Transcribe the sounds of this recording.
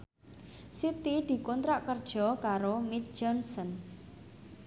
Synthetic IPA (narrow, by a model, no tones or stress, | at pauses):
sit̪id̪̥i̤kɔnt̪ɾaʔkərd̥ʒ̥ɔ̤kaɾomit̪̚d͡ʒɔnsən